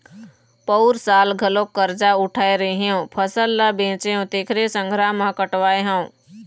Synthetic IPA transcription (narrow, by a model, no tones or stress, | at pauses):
pəʊɾsaːlɡʱəlok̚kəɾd͡ʒaʊʈʰaːeɾɐɦeõpʰəsəlːabẽːt͡ʃeõt̪eːkʰɾesə̃ŋɡʱɾaːmãkəʈʋaːeɦãũ